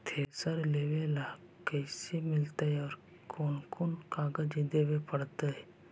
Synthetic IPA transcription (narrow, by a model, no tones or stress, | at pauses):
t̪ʰesəɾleːʋela | kɛsemɪlt̪aɦɛɔːɾ | kʰoːnkʰoːnkaːɡəd͡ʒid̪eːʋepəɽt̪aɦɛ